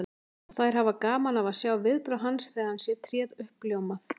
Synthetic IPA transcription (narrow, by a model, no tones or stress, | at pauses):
θajɾ̥ɦavakaːmanavaðsjawvɪðpɾœwɦansθɛːɣðansjɛt̪ʰɾjɛːðʏhpljowmaθ